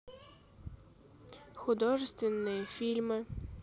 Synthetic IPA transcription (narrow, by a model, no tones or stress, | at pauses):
xʊd̪ɔʐɨst̪ʋʲɪnːɨjɛfʲilʲmɪ